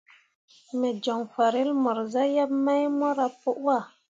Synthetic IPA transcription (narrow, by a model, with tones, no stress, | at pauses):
mɛ˨d͡ʒɔ˨ŋfa˨ɾe˦lmɔ˨ɾza˦ja˦p̚ma˦jmɔ˦ɾa˦po˦ʔwa˦˨